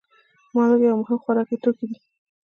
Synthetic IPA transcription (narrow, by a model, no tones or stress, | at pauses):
mɑləɡjawmʊɦɪmxwaɾɑkit̪okid̪i